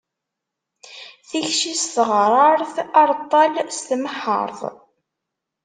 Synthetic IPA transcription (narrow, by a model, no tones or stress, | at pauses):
θiçʃisθəʁɾˤɑɾˤθɑɾˤt̪ˤːɑlst̪məħə̰ɾˤðˤ